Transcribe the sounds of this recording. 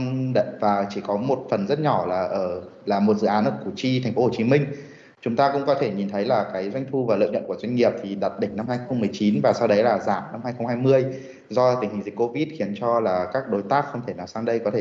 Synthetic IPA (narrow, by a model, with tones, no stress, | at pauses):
ɗə̰˧˨vaː˨˩t͡ɕi˧˩kɔ˨˦mo˨˩t̚fə˨˩nzə˦˥t̚ɲɔ˧˩laː˨˩ʔəː˧˩ | laː˨˩mo˨˩t̚zɨ̰˧˨aː˨˦nʔɨ˦˥ku˧˩t͡ɕi˧t̪ʰɛ˨˩ŋ̟fo˨˦ho˧˨˩t͡ɕi˨˦mï˧ŋ̟ | t͡ɕʊ˨˦ŋ͡mt̪aː˧kʊ̰˧˥ŋ͡mkɔ˨˦t̪ʰe˧˩ɲi˨˩nt̪ʰə˨˦jlaː˨˩kaː˨˦jzwa˧jŋ̟t̪ʰu˧vaː˨˩lə̰ː˧˨ɲə̰˧˨nkəzwa˧jŋ̟ŋi˨˩əp̚t̪ʰi˨˩ɗaː˨˩t̚ɗï˧˩ŋ̟na˧mhaː˧jxə˧wŋ͡mmːɨ˨˩əjt͡ɕi˨˦nvaː˨˩sa˧wɗə˨˦jlaː˨˩zaː˧˩mna˧mhaː˧jxə˧wŋ͡mhaː˧jmɨ˧əj | zɔ˧t̪ï˧˩ŋ̟hi̟˨˩zi˨˩k̚ko˧vi˦˥t̚xi˨˦ənt͡ɕɔ˧laː˨˩kaː˦˥k̚ɗo˨˦jt̪aː˦˥k̚xə˧wŋ͡mt̪ʰe˧˩naː˨˩wsaː˧ŋɗə˧jkɔ˨˦t̪ʰe˧˩